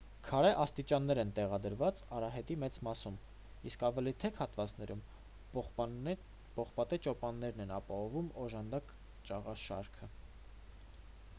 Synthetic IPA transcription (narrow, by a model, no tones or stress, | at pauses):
kʰɑɾɛʔɑst̪it͡ʃɑnːɛɾɛnt̪ɛʁɑd̪əɾvɑt͡sɑɾɑɦɛt̪imɛt͡smɑsum | iskɑvɛlit̪ʰɛkʰhɑt̪vɑt͡snɛɾum | pɔχpɑt̪ɛt͡ʃɔpɑnːɛɾnɛnɑpɑhɔvumɔʒɑnd̪ɑk | t͡ʃɑʁɑʃɑ̰ɾkʰə